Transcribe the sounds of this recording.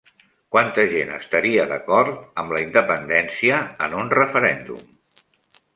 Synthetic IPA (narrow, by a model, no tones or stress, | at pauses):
kwant̪əʒenə̰st̪əɾiəðəkɔɾt̪̚əmləind̪əpənd̪ɛnsiəːnunrəfəɾɛnd̪ṵm